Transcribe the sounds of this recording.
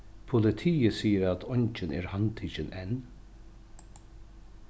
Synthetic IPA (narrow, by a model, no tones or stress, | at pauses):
pʰʊlɪt̪ʰiːəsiːəɾat̪ʰɔɲt͡ʃənɛ̰ːɹhant̪ʰiːt͡ʃənʔɛn